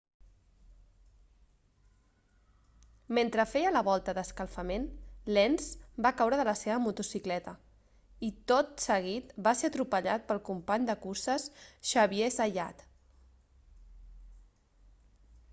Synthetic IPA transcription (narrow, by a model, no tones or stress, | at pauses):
ment̪ɾəfɛjələβɔlˠt̪əðəskəlˠfəmenlɛnzbakawɾəðələseβəmut̪usiklɛt̪ə | it̪ot̪səɣ̞it̪baseət̪ɾupəʎat̪̚pəlˠkumpaɲd̪əkusəsʃəβiezəja̰t̪